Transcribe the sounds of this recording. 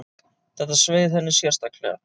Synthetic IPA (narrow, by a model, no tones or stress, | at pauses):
θɛht̪asveːjðθɛnːɪ̥sjɛr̥st̪aklɛ̰ɣa̰